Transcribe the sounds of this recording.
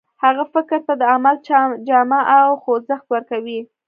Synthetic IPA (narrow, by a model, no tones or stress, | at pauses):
haɣafɪɾkɾt̪ad̪əamald͡ʒɑmaʔawxozəxt̪wəɾkawi